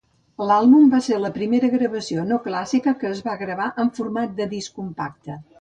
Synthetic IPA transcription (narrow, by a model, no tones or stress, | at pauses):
lalˠβumbaseɾləpɾimeɾəɣɾəβəsionoklasikəkəːzβaɣɾəβ̞aʔəɱfuɾmat̪̚d̪əðiskumpak̚t̪ə